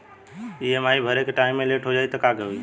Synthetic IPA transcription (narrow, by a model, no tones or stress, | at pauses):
iəmaibʱəɾekeʈaɪmːeleʈʰɦod͡ʒaːit̪əkakeɦui